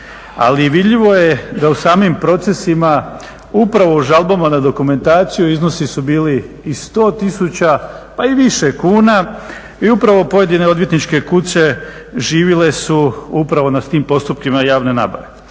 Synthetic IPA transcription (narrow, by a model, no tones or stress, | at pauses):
a̰liʋid̪ʎiʋo̞jed̪ausaːmimpɾo̞t̪se̞sima | upɾaʋo̞uʒalˠbamanad̪o̞kume̞nt̪aːt̪sijuizno̞sisubiːliː | st̪o̞ːt̪isut͡ɕapaiʋiʃe̞kuːna | iupɾaʋo̞po̞je̞d̪ine̞o̞d̪ʋjet̪nit͡ʃke̞kut͡ɕe̞ | ʒiːʋile̞suupɾaʋo̞naiːmpo̞st̪upkimajaːʋne̞na̰ːba̰ʋe̞